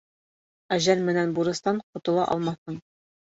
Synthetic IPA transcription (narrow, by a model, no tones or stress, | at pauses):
æʑælmɘ̆nænbuɾɤ̆st̪ɑɴqŏt̪ɤ̆lˠɑ̰ʔɒ̰lˠmɑθɤɴ